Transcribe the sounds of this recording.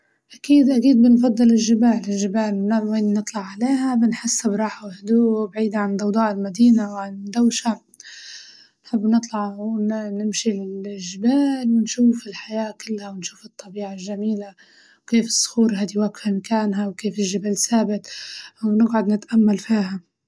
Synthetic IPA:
ʔakiːd̪ʔakiːd̪̚bɪnfɑd̪ˤːɨlɪlʒɪbaːlɪlʒɪbaːlnaweːnːɨt̪ˤlɑʕʕaleːɦabɪnħasːɪbɾˤɑːħawhd̪uːbaʕiːd̪aʕand̪ˤɑwd̪ˤɑːʔɪlmad̪iːnawʕand̪awʃa | nħɪbːnɨt̪ˤlɑʕwnɪmʃiʒːɪbaːlwɪnʃuːfɪlħajaːkɪlːhawɪnʃuːfɨt̪ˤːɑbiːʕalʒamiːla | wkeːfɪ̥sˤːʊ̥xuːɾɦaːd̪iwakfamkaːnɦawkeːfɪlʒabalsaːbɪt̪wnɪɡʕʊd̪nɪt̪ʔamːalfiːɦa

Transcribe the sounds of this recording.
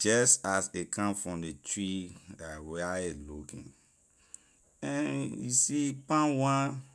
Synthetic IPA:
d͡ʒɛstasekʰãmfɹɔ̃mdetʰɹiawɛaelukḭ̃n | ɛ̃njisipãnwã

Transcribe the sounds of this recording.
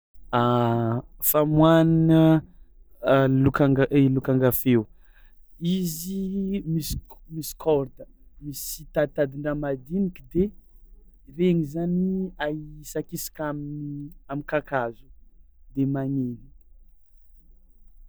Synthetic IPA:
a | famwaninə | lukaŋɡaelukaŋɡafew | izimismisi̥kʰɔɾd̪ə | misit̪ad̪̚t̪ad̪iɳɖ͡ʐamad̪inikid̪e | reŋizaniasakisḁkamamikakazu̥ | d̪emaneni̥

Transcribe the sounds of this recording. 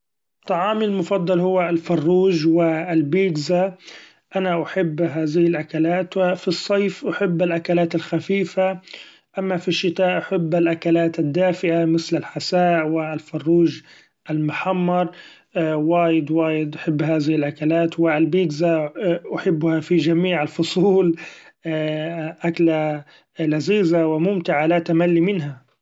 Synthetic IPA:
t̪ˤːɑʕɑːmɪlmʊfɑd̪ˤːɑlhʊwːalfɑrˤːuːʒwɪlbiːd̪za | ʔanaʔaħɪbːɦaːðɪhɪlʔakalaːt̪wɪfisˤːɑjfʔaħɪbːalʔakalaːt̪ɪlxafiːfa | ʔamːafiʃːɪt̪aːʔaħɪbːalʔakalaːt̪ɪd̪ːaːfɪʔamɪθlɪlħasaːʔwɪlfɑrˤːuːʒ | ʔalmʊħamːɑɾˤ | waːjɪd̪waːjɪd̪ʔaħɪbːɦaːðɪhɪlʔakalaːt̪wɪlbiːd̪zaʔʊħɪbːʊhafid͡ʒamiːʕalfʊsˤuːl | ʔakla | laziːzawɪmʊmt̪ɪʕalat̪amalːimɪnɦa

